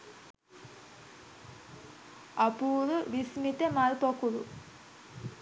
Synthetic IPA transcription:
apuːɾuʋismit̪əmalpokuɾṵ

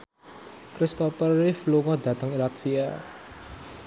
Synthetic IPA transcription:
kɾist̪ɔfərifluŋɔd̪a̤t̪əŋilat̪fia

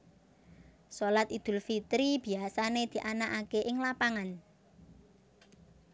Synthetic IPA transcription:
solat̪id̪̥ʊ̤lfit̪ɾib̥i̤asaned̪̥i̤ʔanaʔakeʔɪŋlapaŋan

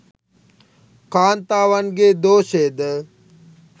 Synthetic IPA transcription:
kaːnt̪aːʋənɡeːd̪oːʃeːd̪ə

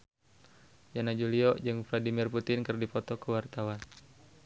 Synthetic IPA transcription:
d͡ʒanad͡ʒuliɔd͡ʒɨŋvladimirput̪ɪnkɨrdipɔt̪ɔkəwart̪awan

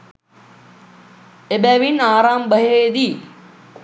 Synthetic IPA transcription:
ebæːʋinaːɾaːmbəɦeːd̪iː

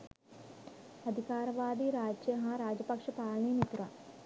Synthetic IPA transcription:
ɐd̪ʱikaːɾɐʋaːd̪iɾaːd͡ʒjɐɦɐɾaːd͡ʒɐpɐkʂɐpaːɭɳinit̪ɾa

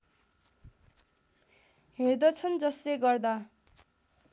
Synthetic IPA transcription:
ɦerd̪ʌt͡sʰʌnd͡zʌsleɡʌrd̪a

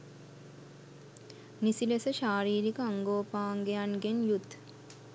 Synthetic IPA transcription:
nisilesəʃaːɾiːɾikəaŋɡoːpaːŋɡejanɡenjut̪

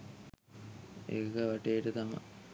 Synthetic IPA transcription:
ḛkəʋaʈejʈət̪amɐ̰

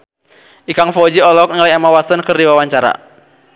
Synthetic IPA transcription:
ʔikaŋfɔd͡ʒiɔlɔk̚nŋlaamawasənkɨrdiwawaɲt͡ʃaɾa̰

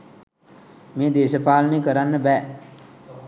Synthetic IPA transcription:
meːd̪eːsəpaːlənekəɾanːəbɛː

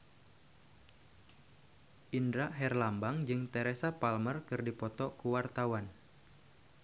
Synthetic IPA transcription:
ʔindɾaʔɦɛrlambaŋd͡ʒɨŋt̪ɛɾesapalmərkɨrdipɔt̪ɔkuwart̪awan

